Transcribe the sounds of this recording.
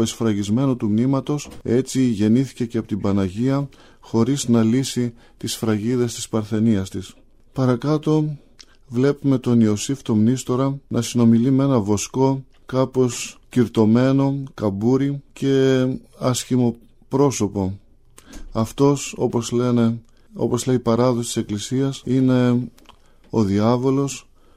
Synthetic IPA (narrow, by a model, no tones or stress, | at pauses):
oesfɾɐʝizme̞not̪umnimɐt̪o̞se̞t͡siʝe̞niθi̥ce̞ceɐpot̪ibɐnɐʝiɐ | xo̞ɾiznɐlisi | t̪isfɾɐʝiðe̞st̪i̥spɐɾθe̞niɐst̪is | pɐɾɐkɐt̪o̞ | vle̞pume̞t̪o̞nio̞sift̪o̞mnist̪o̞ɾɐnʔɐsino̞milimee̞nɐvo̞sko̞ | kɐpo̞sciɾt̪o̞me̞no̞kɐbuɾice̞ɐsçimo̞ | pɾo̞so̞po̞ | ɐft̪o̞so̞̰pozlene̞ | o̞̰po̞zle̞ipɐɾɐðosit̪i̥se̞klisiɐsine̞ | o̞ðiɐvo̞lo̞s